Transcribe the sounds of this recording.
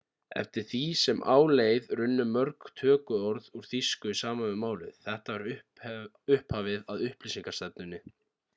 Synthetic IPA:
ɛ̰ft̪ɪɾ̥θisɛmʔa̰ːwleːjðrʏnːʏmœɾkt̪ʰœːkʏɔɾðuɾ̥θiskʏsaːmanvɪðmaːwlɪ̰ðθɛht̪avaɾʏ | ʏhphaːvɪðaðʏhplisiŋkaɾ̥st̪ɛp̪̚nʏnːɪ

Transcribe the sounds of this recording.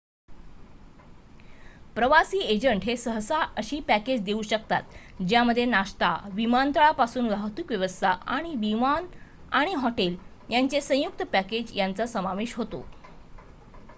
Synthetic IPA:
pɾəʋasiːed͡ʑəɳʈɦesəɦsaʔəɕiːpæked͡ʑd̪euɕək̚t̪a̰t̪d͡ʑjaməd̪ʱːjenaɕt̪a̰ʋimant̪əɭapasuːnʋaɦət̪ʋiːkʋjəʋəst̪ʰaaɽ̃iʋiman | aɽ̃iɦɔʈel | jant͡sesə̃juk̚t̪əpæked͡ʑjant͡səsəmaʋeɕɦot̪o̰

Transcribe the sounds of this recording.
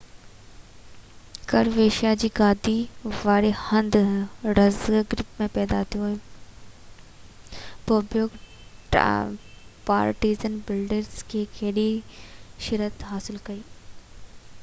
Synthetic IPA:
kɐɾʋeːʃjad͡ʑiːɡaːd̪iʋaːɾehɐ̃nd̪ɾɐzɡɡɾɪpmẽpɛːd̪at̪ʰijoe | poːbjoːɡ | ʈ | pa̰ːɾʈiːzənbɪlɖɪɾzkekeːɗi | ʃɪɾət̪ɦaːsɪlkɐiː

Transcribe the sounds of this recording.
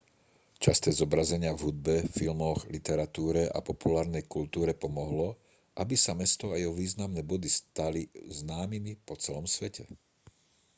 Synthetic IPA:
t͡ʃast̪ɛːzɔbɾazɛɲɪavɦud̪̚bɛfilmɔɣlit̪ɛɾat̪uːɾɛʔa̰pɔpulaːɾnɛjkult̪uːɾɛpɔmɔɦlɔ | ʔabisamɛst̪ɔajɛɦɔʋiːznamnɛːbɔd̪ist̪aliznaːmimipɔt͡sɛlɔmsʋɛcʰɛ

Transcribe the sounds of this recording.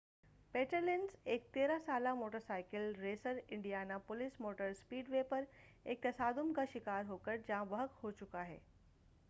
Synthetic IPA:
peːʈəɾlenseːk̚t̪eːɾasalamoːʈəɾsaɪkəlɾeːsəɾɪɳɖijanapʊlismoːʈəɾspiːɖʋepəɾ | eːk̚t̪ɐsaːd̪umkaʃɪkaːɾɦokəɾd͡ʑãʋəɦəkhot͡ʃʊkaɦḛː

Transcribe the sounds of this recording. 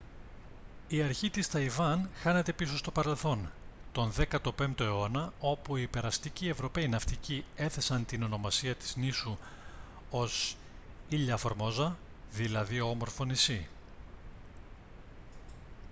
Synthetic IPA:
iɐɾçit̪ist̪ɐivɐnxɐne̞t̪e̞piso̞st̪o̞pɐɾe̞lθo̞nt̪o̞nðe̞kɐt̪o̞pe̞mt̪o̞eo̞nɐo̞puiːpe̞ɾɐst̪icie̞vɾo̞pe̞inɐft̪icie̞θe̞sɐnt̪ino̞no̞mɐsiɐt̪i̥znisu | o̞s | iʎɐfoɾmo̞zɐ | ðilɐðioo̞mo̞ɾfo̞nisi

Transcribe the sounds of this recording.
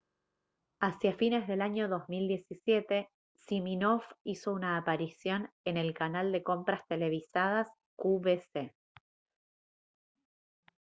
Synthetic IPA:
asjafine̞zðe̞laɲo̞ðo̞zmild̪je̞sisje̞t̪e̞ | siminofiso̞unaːpaɾisjo̞nene̞lkanald̪e̞ko̞mpɾast̪e̞le̞β̞isað̞as | kuβese

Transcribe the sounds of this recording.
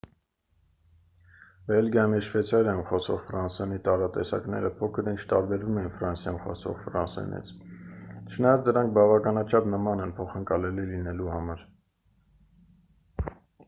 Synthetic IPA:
bɛlɡjɑmiʃvɛt͡sʰɑɾjɑjunχɔsʰɔ̰ʁfɾɑnsɛnit̪ɑɾɑt̪ɛsɑ̰knɛ̰ɾəpʰɔkʰəɾint͡ʃʰt̪ɑɾbɛɾvumɛinfɾɑnsjɑjunχɔ̰sʰɔ̰ʁfɾɑnsɛ̰nḭt͡sʰ | t͡ʃʰənɑjɑt͡sʰd̪əɾɑŋk̚ʰbɑvɑkɑnɑt͡ʃʰɑpnəmɑnɛnpʰɔχəŋkɑlɛlilinɛluhɑmɑɾ

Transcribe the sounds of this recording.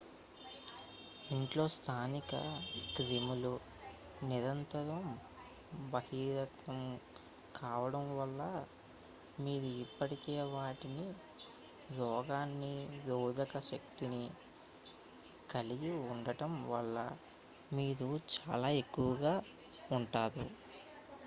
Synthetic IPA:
iɳʈlo̞ːst̪ʰaːnikɐ̰kɾimulu | niɾɐnt̪ɐɾɐm | bɐhiːɾɐt̪ʋɐm | kʰaːʋɐɽɐmʋɐlːɐ | miːɾuipːɐʈikeːʋaːʈini | ɾɔːɡaːnːiɾoːd̪ʱɐkɐʃɐkt̪ini | kɐliɡiuɳɖɐʈɐmʋɐlːɐ̰ | miːɾut͡ʃaːlaːe̞kːuʋɐɡaː | uɳʈaːd̪u

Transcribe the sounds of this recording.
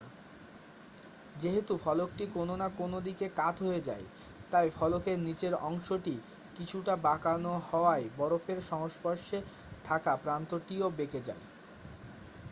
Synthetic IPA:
d͡ʑeɦet̪ufʰɔlok̚ʈikononakonod̪ikekat̪ʰɦoed͡ʑa̰e | t̪ajfɔlokeɾnit͡ɕeɾɔŋʃoʈi | kit͡ɕʰuʈabakanohɔoaebɔɾofʰeɾʃɔŋoʃpɔɾʃe | t̪ʰakapɾant̪oʈiobeked͡ʑa̰e

